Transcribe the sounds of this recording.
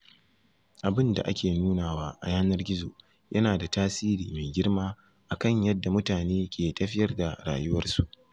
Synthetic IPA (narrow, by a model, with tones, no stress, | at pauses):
ʔa˨bɪ˦nda̰˨ʔa̰˦kʲeː˨nuː˦naː˨waː˦ʔa̰˨jaː˦nɐ˦rɡʲɪ˦zo̰ː˨ | jʔɐ˦naː˨da˨taː˦siː˦ɾiː˨me˨ɡʲɪ˦rmaː˦ | ʔa˨kɐ˦˨ɲjɐ˦dːa˨mʊ˦taː˨neː˦kʲeː˨tɐ˦ɸɪ˦jɐ˦rda˨ɽa̰ː˨jʊ˦wɐ˦rsu˨ʔ